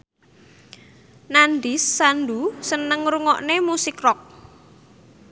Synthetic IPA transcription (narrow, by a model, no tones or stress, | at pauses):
nand̪isːanɖ̪usənəŋɾuŋɔʔnemusɪkrɔk̚